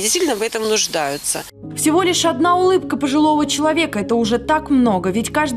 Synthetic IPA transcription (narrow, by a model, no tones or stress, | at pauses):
dʲɪst̪vitʲlʲnəvɛt̪əmnʊʐd̪ajʊt̪sə̰ | fsʲɪvo̞lʲɪʂɐd̪naʊlˠɨpkəpəʐɨlˠo̞vət͡ɕɪlˠɐvʲe̞kəɛt̪əʊʐɛt̪akmno̞ɡəvʲɪtʲkaʐd̪